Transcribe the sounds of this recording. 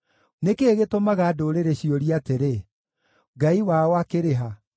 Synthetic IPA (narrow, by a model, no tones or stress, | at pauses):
nekeːɣetomaɣaːdoɾeɾeɕioɾiateɾe | ɡaiwaoakeɾeɦa